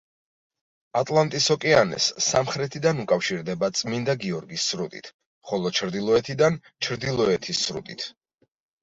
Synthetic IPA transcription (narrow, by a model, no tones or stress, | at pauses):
at̪ʼlˠant̪ʼisɔkʼianɛ̰sːamχɾɛt̪ʰid̪anukʼafʃiɾd̪ɛbat̪sʼmind̪aɡiɔɾɡisːɾut̪ʼḭt̪ʰ | χɔlˠɔt͡ʃʰɾd̪ilˠɔɛt̪ʰid̪an | t͡ʃʰɾd̪ilˠɔɛt̪ʰisːɾṵt̪ʼit̪ʰ